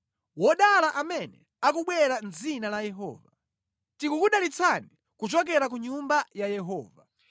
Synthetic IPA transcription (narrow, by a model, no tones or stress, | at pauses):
wɔɗalaʔamɛnɛ̰ | akuɓwɛɾanzinalajɛɦɔ̰ːva | tikukuɗalit͡sʰani | kut͡ʃɔk̬ɛɾak̬uɲumbajajɛɦɔ̰ːva